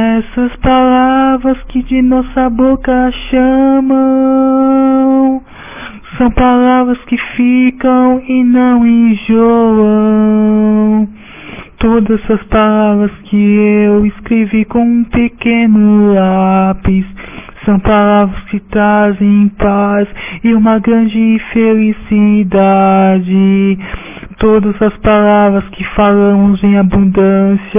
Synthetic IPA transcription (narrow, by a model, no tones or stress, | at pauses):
ɛsɐspalavɾɐskɪd͡ʒɪnɔsɐbokɐʃɐmɐ̃ | sɐ̃w̃palavɾɐskɪfikɐ̃w̃ɪnɐ̃w̃ĩʒɔɐ̃ | w | t̪od̪ɐzɐspalavɾɐskɪeewɪskɾevikõũpekẽnʊlapissɐ̃w̃palavɾɐskɪt̪ɾazẽẽj̃pasɪũmɐɡɾɐ̃d͡ʒɪfelisid̪ad͡ʒɪ | t̪od̪ɐzɐspalavɾɐskɪfalɐ̃mʊzẽj̃abũnd̪ɐ̃sjɐ